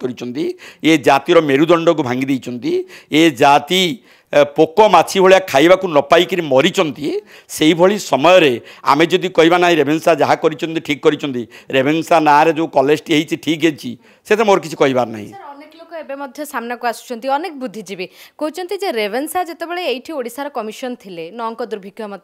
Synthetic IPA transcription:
kɔɾit͡ʃʰɔnt̪ied͡ʒat̪iɾɔmeɾud̪ɔɳɖɔk̬ubʱaŋɡid̪ejt͡ʃʰɔnt̪ied͡ʒat̪i | pokɔmat͡ʃʰibʱoɭijakʰajbakunɔpajkiɾimɔɾit͡ʃʰɔnt̪ie | seibʱɔɭisɔmɔjɔɾea̰med͡ʒɔd̪ikɔɦibanaɦĩɾebʱensad͡ʒaɦakɔɾit͡ʃʰɔnt̪iʈʰikːɔɾit͡ʃʰɔnt̪iɾebʱensanaɾed͡ʒeukɔled͡ʒʈiɦejt͡ʃʰiʈʰikɦet͡ʃʰi | set̪ʰɾemoɾɔk̬it͡ʃʰi̥kɔɦibaɾna̰ɦḭ̃ɔɾɔneklokɔebemɔd̪ʱjɔsamnakuasu̥t͡ʃʰɔnt̪iɔnekbud̪ʱːid͡ʒibikoɦut͡ʃʰɔnt̪id͡ʒeɾebʱensad͡ʒet̪ebeɭeːjʈʰioɽisaɾɔkɔmiʃɔnt̪ʰilenɔːŋkɔd̪uɾbʱikjɔamɔt̪ʰ

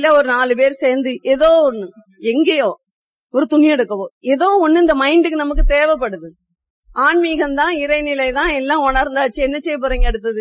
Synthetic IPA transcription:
ɪlːɐɔɾɯnaːlɯp̬eːɾɯseːɾnd̪ɯʔɛðoːɔnːɯ | ɛŋɡejoː | ɔɾɯt̪ʊɳɪjɛɽɯkːɐʋõːɛðoːɔnːɯɪnd̪ɐmɐɪɳɖɯkːɯnɐmɐk̬ːɯt̪eːʋɐpːɐɽɯðɯ | ʔaːɳmiɣɐnd̪ãːɪɾɐɪnɪlɐɪt̪ãːɛlːãːɔɳɐɾnd̪aːt͡ʃːɯɛnːɐt͡ʃːejp̬ɔɾɐŋɡɐɛɽɯt̪ːɐðɯ

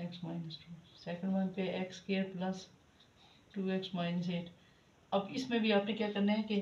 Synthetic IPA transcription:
ɛksmaːɪnəsʈuːsɛːkə̃ɳɖʋɐnpeʔekskeːɾplɐs | ʈuːeksmaːɪnəs̬eːʈ | ɐbɪsmẽbʱiaːpnekjakɐɾneɦɛ̃ke

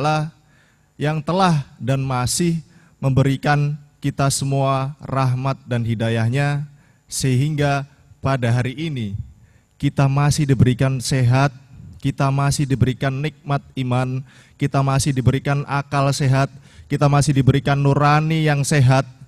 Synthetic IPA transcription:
lah | jaŋt̪əlahdanmasɪh | məmbəɾikankit̪asəmuaraɦmat̪̚danɦidajahɲa | səɦiŋɡa | padaɦaɾiʔːni | kit̪amasɪhdibəɾikanseɦat̪̚kit̪amasɪhdibəɾikanːik̚mat̪̚iman | kit̪amasɪhdibəɾikanʔakalseɦat̪̚ | kit̪amasɪhdibəɾikanːuɾanijaŋseɦat̪̚

